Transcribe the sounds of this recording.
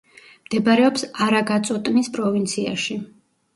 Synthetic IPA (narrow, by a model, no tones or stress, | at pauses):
md̪̥ɛbaɾɛɔpsaɾaɡat̪sʼɔt̪ʼnispʼɾɔvint̪sʰia̰ʃi